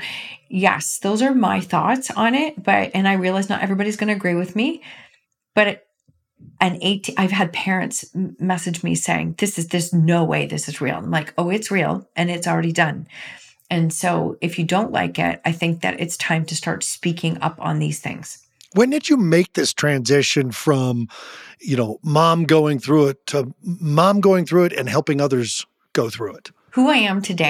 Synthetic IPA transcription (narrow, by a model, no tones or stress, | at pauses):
jɛ̰sðoʊzə˞maɪθɔ̰tsn̩ɪt̚b̥ʌɾɨ̃naɪɹiɨlˠaɪznə̰ɾʔɛvɹibɑɾizɡʌnɨɨɡɹiwɨðmi | b̥ʌɾ | ʔɨ̃neɪtʰʔaɪv̥ɨd̚pʰɛɹɨ̰̃ntsmɛsɨd͡ʒmḭseɪɪ̰̃ŋðɪsɨzðɪznoʊwḛɪðɪsɨzɹḭlˠə̰̃nlaɪkʰoʊɨtsɹilˠʔɨ̃nɨtsl̩ˠɹɛɾidʌ̃n | ɨ̃nsoʊɨfjɨdõʊ̃nʔla̰ɪkɪ̰taɪθɪ̃ŋk̚ðɨ̰ɾʔɨ̰tstʰãɪ̃mtʰɨstɑ̰ɹtspikʰɪ̃ŋʌ̰pn̩ðiz̥θɪ̰̃ŋz̥ | wɨ̃ndɨd͡ʒɨmeɪk̚ðɪstʰɹ̥æ̃nzɪʃɨ̃nfɹʌ̃mjɨñoʊmɑ̃mɡoʊɪ̃ŋθɹuɪtʰəmɑ̃mɡoʊɪ̃ŋθɹʉɨɾɨ̰̃nɦɛlˠpɪ̃ŋʌðə˞z̥ | ɡ̥oʊθɹʉɪt̚ | huaɪɨ̃mtʰɨdeɪ